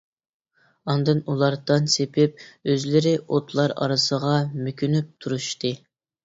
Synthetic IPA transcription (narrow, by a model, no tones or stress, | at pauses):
ɑnd̪ɨnulˠɑɾd̪ɨnsepʰɪp̚øzlɪɾɪʔot̪ʰlˠɑɾɑ̰ɾɨsəʁɑmykʲynyp̚t̪ʰuɾuʃt̪ɨ